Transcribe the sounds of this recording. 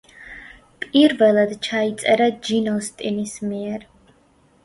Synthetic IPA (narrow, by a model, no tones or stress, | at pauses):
pʼiɾvɛlˠad̪t͡ʃʰait̪sʼɛɾad͡ʒinɔst̪ʼinismiɛɾ